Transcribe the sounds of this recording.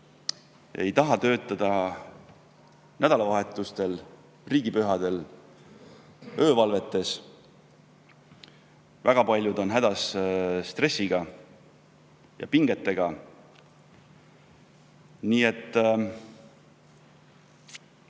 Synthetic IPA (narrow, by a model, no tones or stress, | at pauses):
e̞̰jt̪ɑɦɑt̪øːt̪ːˑɑd̪̥ɑ | næd̪̥ɑlɑvɑɦe̞t̪ːˑust̪e̞l | riːɡ̥ipyɦɑd̪̥e̞l | ø̞ːvɑlve̞t̪ːe̞s | væɡ̥ɑpɑlʲjud̪o̞nɦæd̪̥ɑsst̪re̞sːiɡ̥ɑ | jɑ̰piŋɡ̥e̞t̪ːe̞ɡ̥ɑ | niːe̞t̪ːˑ